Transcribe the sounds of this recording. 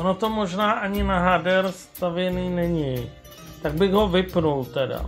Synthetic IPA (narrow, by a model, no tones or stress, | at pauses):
ʔonot̪omoʒnaːʔaɲɪnaɦadɛɾst̪avjɛniːnɛɲɪ | t̪aɡ̚bɪɣɦo̞vɪpnult̪ɛda̰